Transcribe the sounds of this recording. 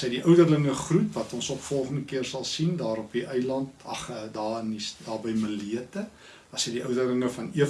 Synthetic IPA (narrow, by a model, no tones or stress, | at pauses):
səjdiʔœwdərləŋəχrutvɐtɔnsɔpfɔlˠχəndəkiərsɐlˠsindɑːɾɔpiʔəjlɐntɐχədɑːənisdɑːbəjməliətə | ɐsəjdiœwdərləŋəfɐniə